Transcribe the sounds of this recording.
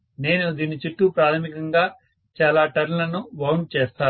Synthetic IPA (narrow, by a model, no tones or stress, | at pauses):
ne̞ːnud̪iːnit͡ʃuʈːupɾaːt̪ʰɐmikɐŋɡaː | t͡ʃaːlaːʈɐɾnulɐnuʋɐwnɖt͡ʃeːst̪aː